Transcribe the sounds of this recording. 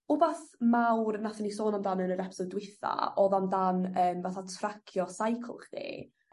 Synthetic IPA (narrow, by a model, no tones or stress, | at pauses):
ʊbaθmawrnaθɛnisoːnamdanənəɾɛpʰsɔdwɪθa̰ɔðamdanəːmvaθatʰrakʰjɔsajkʰl̩ˠχd̥ḭ